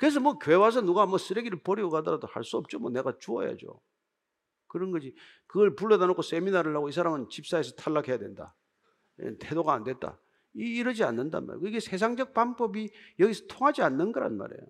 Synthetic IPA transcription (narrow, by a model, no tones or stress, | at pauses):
kɯɾes̬ʰʌmʌkjoewas̬ʰʌnuɡamʌs͈ɯɾeɡiɾɯɭpʌɾiɡokadʌɾadoha̰ɭs͈uʌp̚t͡ɕ͈omʌne̞ɡat͡ɕuʌ̰ja̰d͡ʑo̰ | kɯɾʌnɡʌd͡ʑi | kɯɡʌɭpuɭːʌdanokʰos͈e̞minaɾɯɭɦaɡoisʰaɾamɯnt͡ɕip̚s͈aes̬ʰʌtʰaɭːakʰe̞jadwe̞nda̰ | ḛntʰe̞doɡaːndwe̞t̚t͈a̰ | iːɾɯd͡ʑia̰nːɯnda̰nma̰ɾkiɡesʰe̞s̬ʰaŋd͡ʑʌk̚pambʌbijʌɡisʰʌ̥tʰoŋɦad͡ʑianːɯnɡʌɾa̰nma̰ɾe̞̰jo